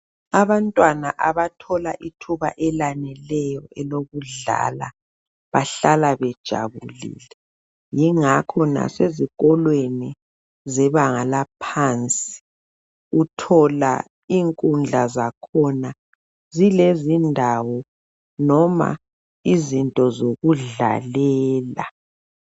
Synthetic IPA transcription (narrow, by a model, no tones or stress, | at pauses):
aβantʼwanaʔaβatʰɔlaʔitʰuβa̰ʔɛlanɛlɛjɔɛloɣuɮa̰la | βaɬalaβɛd̥ʒ̥ʱa̰βulḭːlɛ | jiŋakʰɔna̰seziɣɔlweni | zɛβaŋalapʰant͡sʼi̥ | utʰɔla̰ | iŋkʼund͡ɮʱazakʰɔna | zilezindʱawɔ | nɔma̰ | izintʼɔzoɣuɮa̰lɛːla̰